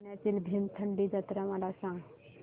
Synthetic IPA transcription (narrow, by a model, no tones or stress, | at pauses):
nat͡ʃilbʱimt̪ʰəɳɖid͡ʒət̪ɾəmaɾasə̃ŋɡ